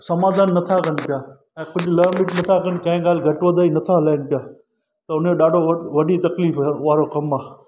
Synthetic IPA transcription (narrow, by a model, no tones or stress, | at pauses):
sɐmaːd̪ʱaːnːɐt̪ʰakən̆pɪjaː | ɛ̃ːkʊləɾmɪʈnɐt̪ʰakənɪkɐ̃ɪ̃ːɡaːlɪɡʱɐʈʋəd̪ʱaːinɐt̪ʰalaːɪnɪpɪjaː | t̪ɐʊnoːɗaːɖʱoʋɐɖʱit̪ɐkliːfʋaːɾokɐmaː